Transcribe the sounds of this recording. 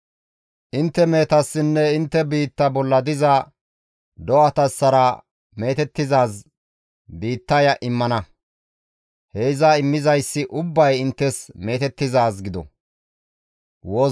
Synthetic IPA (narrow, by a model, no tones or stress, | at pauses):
ʔɪnt̪ːɛme̞ːt̪ɐsːɪnːɛɪnt̪ːɛbiːt̪ːɐbɔlːɐd̪ɪzɐ | d̪ɔwɐt̪ɐsːɐɾɐ | me̞ːt̪ɛt̪ːɪzaːs | biːt̪ːɐjɐʔɪmːɐnɐ | heɪzɐɪmːɪzɐjsːɪʔʊbːɐjɪnt̪ːɛsme̞ːt̪ɛt̪ːɪzaːsɡɪd̪ɔ̰ | woː